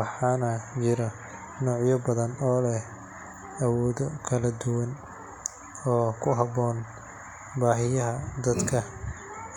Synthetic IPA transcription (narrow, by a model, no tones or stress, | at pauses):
wɑħɑːnɐt͡ʃɪɾɐ | nɔːʕjɔbɐðɐnɔːlɛ | ɐwɔːðɔkʰɐlɐd̪ʊwɐn | ɔːkʰʊɦɐbɔːn | baːɦɪjɐɦɐd̪ɐd̪kʰɐ